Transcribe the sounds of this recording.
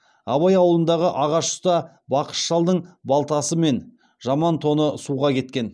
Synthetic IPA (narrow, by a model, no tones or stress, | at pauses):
ɑβɑjɑwəlˠənd̪ɑʁəʔɑʁɑʃʊ̥st̪ɑ | bɑqə̥ʃʒɑlˠd̪əɴbɑlˠt̪ɑsəme̞n | ʒ̥ɑmɑnt̪ʰo̞nəsuʁɑkʲʰe̞t̪kʲe̞n